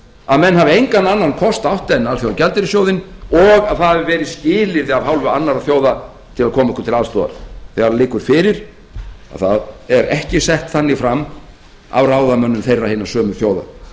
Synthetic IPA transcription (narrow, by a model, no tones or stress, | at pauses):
aðmɛnːhavɪejŋkanːanːankʰɔst̪awht̪ajnalθjoːðacɛlt̪ɪɾɪsjoːwðɪnɔɣaðhavɪvɛːɾɪðscɪːlɪɾðɪavhawlvʏanːaɾaθjoːwða | t̪ʰɪlaðkʰɔːmaɛhkʏ̥ɾt̪ʰɪlaðst̪ɔːða̰ɾθejaɾlɪːkʏɾfɪːɾɪɾ̥ | a̰ðθaðɛɾɛhcɪsɛht̪θanːɪfɾamː | a̰wraːwðamœnːʏmθejrːahɪːnːasœːmʏθjoːwða̰